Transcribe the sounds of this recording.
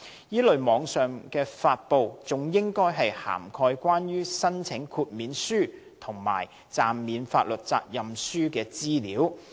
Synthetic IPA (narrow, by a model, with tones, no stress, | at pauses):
jiː˥lɵ˨ɥmɔː˨˧˥ŋsœː˨˩ŋkɛː˧faː˧t̚po˨wt͡sʊ˨˩ŋjɪ˥ŋkɔː˥jɦɐ˨jha̰ː˨˩mkʰɔː˧jkwaː˥njyː˥sɐ˥nt͡sʰɪ˨˥ŋkʰuː˧t̚miː˨˧nsyː˥ | t̪ʰʊ˨˩ŋma̰ː˨˩j | t͡saː˨mːiː˨nfaː˧t̚lɵ˨t̚t͡sa̰ː˧k̚jɐ˨msyː˥kɛː˧t͡siː˥liː˨˥w